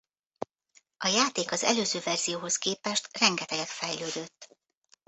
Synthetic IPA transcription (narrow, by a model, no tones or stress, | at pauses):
ʔɒjaːt̪eːkɒzɛ̰løːzøːvɛrz̥ijoːɦo̞skeːpɛʃt̪rɛŋɡɛt̪ɛɡɛt̪fɛjløːd̪ø̞t̪ː